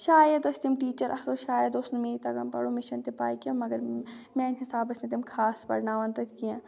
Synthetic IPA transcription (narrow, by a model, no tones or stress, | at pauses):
ʃaːjɐd̪ɐst̪imʈiːt͡ʃɐɾʔɐ̰sɐʃaːjɐd̪osnumeːit̪ɐɡɐmpɐ̰ɽoːmɪʃɐnt̪epaːjkiõmɐɡɐɾmɛ̃ːɪnɦɪsaːbɐsnet̪imkʰaːspɐ̰ɽnaːʋɐnt̪ɐt̪kijãː